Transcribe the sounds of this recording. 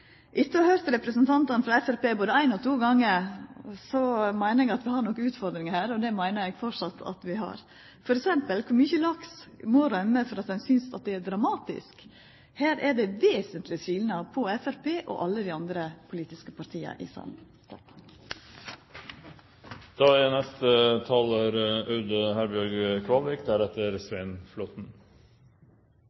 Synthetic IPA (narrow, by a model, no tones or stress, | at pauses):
ʔɪt̪ːəɑhøːɾt̪ɾɛpɾəsənt̪ʰɑnt̪ɑnfɾɑɛfæɾpeːboːd̪əæɪnɔt̪ʰuːɡɑŋːəɾsɔmæɪnəɾɛɡɑt̪ʋɪhɑɾɳnɔkːəʉːt̪fɔɾd̪ɾɪŋəhæːɾɔd̪ɛmæɪnəɾɛɡfɔʂɑt̪ʰɑ̰t̪ʋɪɦɑ̰ɾ | fɔɾɛksɛmpəlkʰʊɾmyːçəlɑksmɔɾœmːəfɔɾɑt̪̚d̪ɛnsʏnsɑt̪̚d̪ɛæɾd̪ɾɑmɑːt̪ɪ̰sk | hæːɾæɖɛʋeːsənt̪ʰlɪsʰʋiːlnɑpʰɔɛfæɾpeːʔɔ̰ʔɑlːəd̪ɪɑnd̪ɾəpʰʊliːt̪ɪskəpɑɾʈt̪ʰiːə̰ʔɪ̰sɑ̰n | d̪̥ɑːɛnɛst̪ət̪ʰɑːləɾʉd̪əhæɾbɪɔɾɡkʰʋɑlʋɪkd̪æɾɛt̪ːəɾsʋæɪnflɔt̪n̩